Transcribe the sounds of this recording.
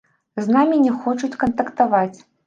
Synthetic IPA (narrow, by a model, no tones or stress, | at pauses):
znamʲinʲɛxɔt͡ʂut͡sʲkɐnt̪ɐkt̪avat͡sʲ